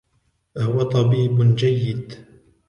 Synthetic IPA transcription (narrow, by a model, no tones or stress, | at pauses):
hʊwat̪ˤɑbiːbd͡ʒajːɪd̪